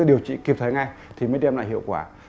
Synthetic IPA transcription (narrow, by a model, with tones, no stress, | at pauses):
ɗi˨˩əwt͡ɕḭ˧˨ki˨˩p̚t̪ʰə˨˦jŋa˧jt̪ʰi˨˩məː˨˦jɗɛ˧mla̰ː˧˨jɦḭ˧˨əwkwaː˧˩